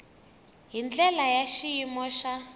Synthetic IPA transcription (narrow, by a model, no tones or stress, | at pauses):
ɦind͡ɮɛlajaʃijimɔʃa